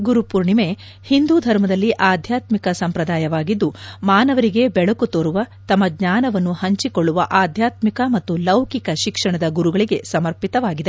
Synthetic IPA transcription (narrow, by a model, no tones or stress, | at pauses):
ɡuɾupuɾɳime̞ | hind̪uːd̪ʱɐɾmɐd̪ɐlːiʔaːd̪ʱjaːt̪mikɐsɐmpɾɐd̪aːjɐʋaːɡid̪ːumaːnɐʋɐɾiɡe̞bɛɭɐkut̪oɾuʋɐt̪ɐmːɐɡɲaːnɐʋɐnːuhɐɲt͡ʃikoɭːuʋɐʔaːd̪ʱjaːt̪mikɐmɐt̪ːulɐwkikɐʃikʂɐɳɐd̪ɐɡuɾuɡɐɭiɡe̞sɐmɐɾpit̪ɐʋaːɡid̪e̞